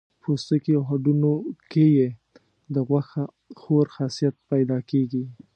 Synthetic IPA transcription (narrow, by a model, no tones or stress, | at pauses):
pʰost̪əkiawɦaɖunokeje | d̪əɣwaxa | xoɾxɑsijat̪̚pajd̪ɑkeɡi